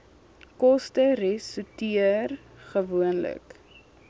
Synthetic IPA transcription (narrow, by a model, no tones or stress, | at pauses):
kɔstəɾɛsutiərχəvuənlə̰k